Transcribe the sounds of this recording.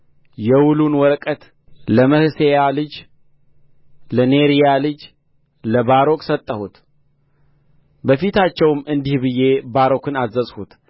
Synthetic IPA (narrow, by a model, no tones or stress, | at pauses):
jɛwulunwɔɾkʼət̪ | ləməhɨsejalɨd͡ʒ | ləneɾijalɨd͡ʒ | ləbaɾo̞kʼsət̪ʼːəhut̪ | bəfit̪ʰat͡ʃːɛwmɨnd̪ihbɨje̞baɾo̞kʰɨnazəsʼhut̪